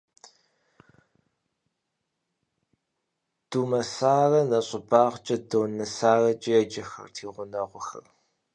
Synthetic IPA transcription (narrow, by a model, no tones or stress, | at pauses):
d̥uːmɐsaːrɐnɐɕʼɪbaːʁt͡ʃʼɐdoːnɐsaːrɐt͡ʃʼɪjɛd͡ʒɐxɐ̰rtʰiːʁʷʊnɐʁʷʊxɐ̰r